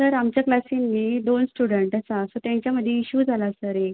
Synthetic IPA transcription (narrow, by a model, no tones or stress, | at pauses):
səɾamt͡ɕjaklasinːid̪onsʈuɽəɳʈasasot̪jãɲt͡ɕjaməd̪ʱːjeiɕuːd͡zʱalasəɾek̚